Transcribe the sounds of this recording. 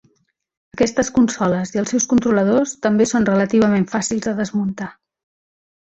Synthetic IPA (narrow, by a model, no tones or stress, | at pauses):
əkɛst̪əskunsɔləziəlˠsɛwskunt̪ɾuləð̞ost̪əmbesonrələt̪iβ̞əmeɱfasilˠzðəðəzmunt̪a